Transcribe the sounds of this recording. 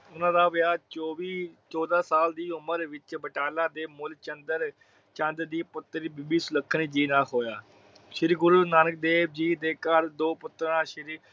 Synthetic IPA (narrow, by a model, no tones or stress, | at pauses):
ʊnãːd̪aːʋɪaːt͡ʃoːʋiːt͡ʃɔːd̪aːsaːld̪iːʊməɾʋɪt͡ʃbəʈaːlãːd̪eːmʊlt͡ʃənd̪əɾ | t͡ʃə̃nd̪d̪iːpʊt̪ːɾibɪbiːsʊləkʰːənːd͡ʒiːnãːɦoːjaː | ʃɪɾɡʊɾuːnaːnək̚d̪eːb̚d͡ʒiːd̪eːkaɾd̪oːpʊt̪ːəɾãːʃɪɾi